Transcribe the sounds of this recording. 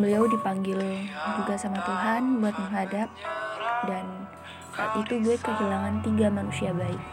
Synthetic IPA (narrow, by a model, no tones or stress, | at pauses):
ləliawdipaŋɡɪld̪uɡasamat̪uɦanbuat̪̚məŋɦadap̚dan | ʔit̪ubuɛt̪̚kəɦilaŋant̪iɡamanusiabaɪk̚